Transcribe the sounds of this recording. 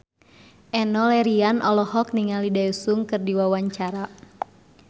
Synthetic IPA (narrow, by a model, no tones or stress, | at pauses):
ʔɛnɔlɛɾianʔɔlɔhɔk̚niŋalidajusuŋkɨrdiwawaɲt͡ʃaɾa